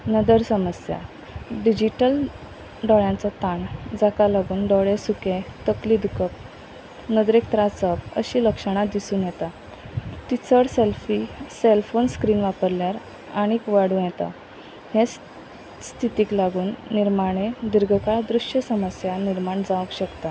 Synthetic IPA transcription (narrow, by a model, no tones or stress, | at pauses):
nəd̪əɾsəməsja̰ | ɖid͡ʑiʈəl | ɖɔɭjãnt͡sat̪and͡zakalaɡuːnɖɔɭesukẽt̪əkliːd̪ukʰəp̚ | nəd̪ɾekt̪ɾat͡səpə̰ɕiːləkʂəɽ̃ad̪isuːnjɛt̪a | t̪it͡səɽselfiselfonskɾiːnʋapəɾljaɾ | aɽ̃ikʋaɽ̤ũːjɛt̪a̰ | hes | st̪ʰit̪iːklaɡuːnːiɾmaɽ̃ed̪iɾɡʱəkaɭd̪ɾuʂjəsəməsjaniɾmaɳd͡zaʋəkɕəkt̪a